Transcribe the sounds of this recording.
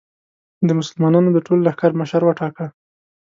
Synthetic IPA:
d̪əmʊsəlmɑnɑnod̪əʈollahkaɾməʃaɾwaʈɑka

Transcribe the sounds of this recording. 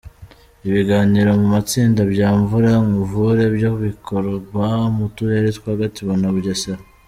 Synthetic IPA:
iβiɡaːniɾo̞mumat͡siːndabjaːɱvuɾaŋɡuvuɾe̞bjoβikʰo̞ɾoamutuɾeɾetkwahaɡatiβonaβuɟasa

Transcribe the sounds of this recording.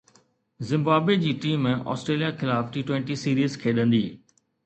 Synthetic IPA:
zɪ̃mbaːbwed͡ʑiːʈiːmẽʔɔ̰ːsʈɾeːlijaxɪlaːfʈiːʈwẽɳʈisiːɾiːzkʰeːɗə̃nd̪iː

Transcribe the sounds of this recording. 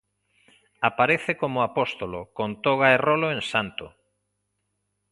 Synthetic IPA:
apaɾeθekomʊapost̪olokont̪oɣaeroloẽŋsant̪ʊ

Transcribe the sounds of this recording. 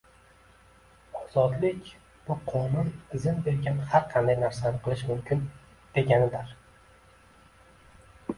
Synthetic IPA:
ɒz̥ɒd̪lɪkʲ | b̥ʊqʰɒnʊnɪzɪnbe̞ɾɡʲanhaɾqʰɑnd̪ajnaɾsanɪqʰɨlˠɪʃmʊmkʰʲɪn | d̪̥e̞ɡʲanɪd̪ɪɾ

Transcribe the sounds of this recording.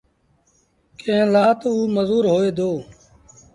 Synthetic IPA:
kẽːlaːt̪ouːməzuːɾɦoːeːd̪oː

